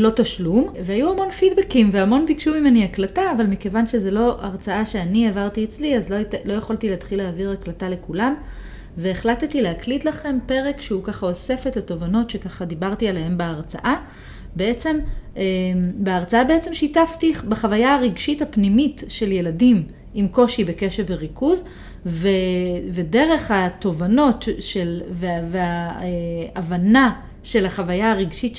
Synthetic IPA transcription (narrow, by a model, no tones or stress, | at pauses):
lotaʃlumveajuamo̞nfidbekimveamo̞nbikʃumimeniaklataːvalmike̞vanʃe̞zelo̞ʔaʁt͡saaʃe̞aniavaʁtiet͡sliazlolo̞jaχolt̪ileatχileaviʁaklatale̞kulam | ve̞ːχlattileɦaklitlaχe̞mpe̞ʁekʃeukaχao̞se̞fetato̞vano̞tʃekaχadibaʁtialeɦe̞mbeaʁt͡sa̰ʔa | beet͡se̞mebeaʁt͡saabeet͡se̞mʃitaftibaχavajaaʁiɡʃithapnimitʃe̞lje̞ladim | imko̞ʃibe̞ke̞ʃeveʁikuz | vevede̞ʁe̞χhato̞vano̞tʃelveveaeavana | ʃe̞laχavajaaʁiɡʃit